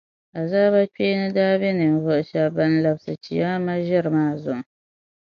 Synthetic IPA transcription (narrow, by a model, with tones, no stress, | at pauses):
a˨zaː˦ba˦k͡peː˦nɨ˦daː˦bɛ˦nɨ˨n˨vʊ˨ʔʃɛ˨ba˦n˦la˨bsɨ˨t͡ʃi˨ja˦ma˦ʒɪ˦ɾɨ˨maː˦zʊ˨ʔ